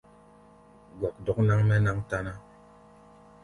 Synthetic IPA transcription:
ɡɔ˨k̚dɔ˦k̚na˦ŋmɛ˦na˦ŋta˦na˦

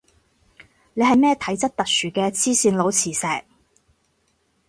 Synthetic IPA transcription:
ne˨˧jɦɐ˨jmɛː˥˩t̪ʰɐ˨˥jt͡sɐ˥t̚t̪ɐ˨k̚syː˨kɛː˧t͡sʰiː˥siː˧nlo˨˧wt͡sʰiː˨˩sɛː˨k̚

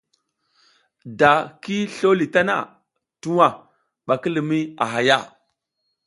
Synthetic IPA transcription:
da˨ki˦ɬo˦li˨ta˦na̰˨ | tu˦wa˨ | ɓa˨ki˦lə˨mi˦a̰˨ɦa˨ja˦˨

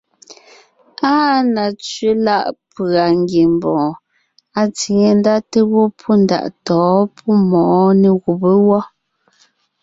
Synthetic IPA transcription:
aː˦na˨t͡sɥe˦la˦˨ʔpa˨ŋɡie˨m˨bɔ̃ː˨ | a˨t͡si˨ŋe˨n˦da˦te˦wɔ˦pʰu˦n˦da̰˨ʔtɔː˨˦pʰu˦mɔ˨ʔne˨ɣu˨be˦wɔ˦

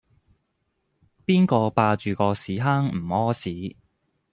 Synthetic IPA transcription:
piː˥nkɔː˧paː˧t͡ʃyː˨kɔː˧siː˨˥ɦaː˥ŋm̩˨˩ɔː˥siː˨˥

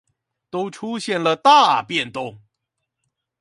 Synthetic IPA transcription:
t̪o˥ʊʈ͡ʂʰu˥ɕjɛ˥˩nlə˨t̪a˥˧˩pjɛ˥˩nt̪ʊ˥ŋ

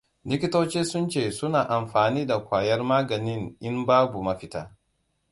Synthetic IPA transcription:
nɪ˦kʲi˦toː˦t͡ʃiː˦sʊ˦nt͡ʃeː˦˨sʊ˦naː˨ʔa˨mɸaː˨niː˦da˨kʷaː˨jɐ˦rmaː˦ɡɐ˨nɪ˦nʔɪ˦mbaː˦bu˨mɐ˦ɸɪ˦taː˦

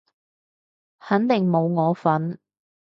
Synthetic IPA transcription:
hɐ˨˥nt̪ɪ˨˩ŋmo˨˧wŋɔː˨˧fɐ˨˥n

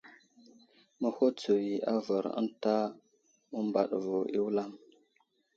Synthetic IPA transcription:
mə˦ho˦t͡su˨ji˨a˦və˨ɾə̰˦nta˦ | mə˦mba̰˨ɗvo˨ʔi˦wla˦m

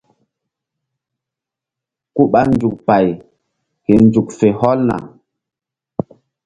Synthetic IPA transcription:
ku˦ɓa˦nd͡ʒu˨k̚pa˨j | ke˨nd͡ʒu˨k̚fe˨hɔ˦lna̰˨

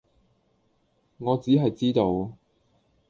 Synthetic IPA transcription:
ŋɔː˨˧t͡siː˨˥ɦɐ˨jt͡siː˥t̪o˨˧w

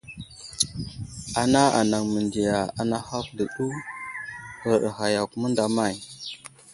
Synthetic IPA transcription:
a˨na˦a̰˨na˨ŋmə˨ndi˨ja˨a˨na˦xa˦kdə˨ɗu˦ | kə˨ɗa˨xa˨ja˨ku˨mə˦nda˨ma˦˨j

